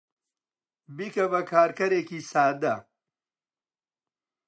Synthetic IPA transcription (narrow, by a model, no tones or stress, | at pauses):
bikɐbɐkʰaːɾkɐɾekisaːd̪ɐ